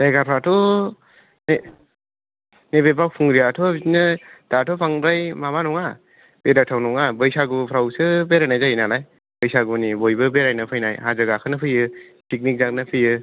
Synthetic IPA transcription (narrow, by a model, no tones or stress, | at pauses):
dajɡapʰɾatʰɔ | ne | nebepawpʰuŋɾiatʰobiinɯd̥atʰɔpʰaŋɾajmaβanɔŋa | b̥edatʰawnɔŋabɯjsaɡupʰɾawsɯbeɾajnajzajinalaj | bɯjsaɡunibojbɯbeɾajnɯpʰɯjnajhazɯɡakʰɯnɯpʰɯjɯtik̚nik̚zak̚nɯpʰɯjɯ